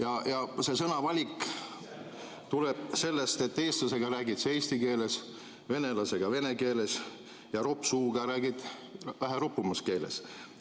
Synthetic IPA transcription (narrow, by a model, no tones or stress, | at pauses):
jɑjɑse̞sɤnɑvɑlʲikːˑ | t̪ule̞b̥̚se̞lːe̞st̪e̞t̪ːe̞ːst̪lɑse̞ɡ̥ɑɾæːɡit̪seːsʲt̪ike̞ːle̞s | ve̞ne̞lɑse̞ɡ̥ɑve̞ne̞ke̞ːle̞s | jɑɾo̞pːsuːɡ̥ɑɾæːɡid̪æɦeropːumuske̞ːle̞̰s